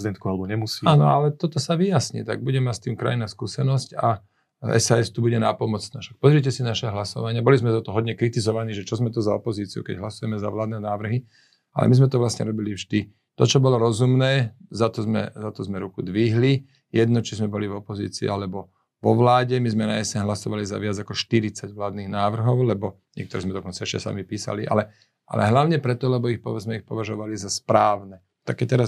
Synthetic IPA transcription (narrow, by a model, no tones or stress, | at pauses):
zid̪ɛnt̪kualɛbɔɲɛmusianɔ̰alɛt̪ɔt̪ɔsaʋijasɲḭt̪a̰ɡ̚buɟɛmast̪iːmkɾa̰jinaskuːsɛnɔsca̰ | ɛ̰saːɛst̪ubuɟɛnapɔmɔt͡snaːfʃak̚pɔzɾiɛcɛsinaʃɛɦlasɔʋaɲɪabɔlizmɛzat̪ɔɦɔd̪ɲɛkɾit̪izɔʋaniːʒɛt͡ʃɔzmɛt̪ɔzaɔpɔziːt͡siṵkɛ̰ɟɦlasujɛmɛza̰ʋlaːd̪nɛːnaːʋr̩ɦi | a̰lɛ̰mizmɛt̪ɔʋlasɲɛ̰ɾɔbilivʒd̪i | t̪ɔt͡ʃɔbɔlɔɾɔzumnɛːzat̪ɔzmɛ̰zat̪ɔzmɛɾukud̪ʋiɦli | jɛd̪nɔt͡ʃizmɛbɔlivɔpɔzḭːt͡sḭalɛbɔ | ʋɔʋlaːɟɛmizmɛnaɛsɛɲɦlasɔʋaliza̰ʋɪad͡zakɔʃt̪iɾit͡saɟʋlaːd̪niːɣnaːʋr̩ɦɔʊlɛbɔ | ɲɪɛ̰k̚t̪ɔɾɛzmɛd̪ɔkɔnt͡saɛʃcɛsa̰mipiːsa̰liʔa̰lɛ | ʔa̰lɛ̰ɦlaʊɲɛpɾɛt̪ɔlɛbɔixpɔʋɛd͡zmɛixpɔʋaʒɔʋalizaspɾaːʋnɛ | t̪akɛt̪ɛɾas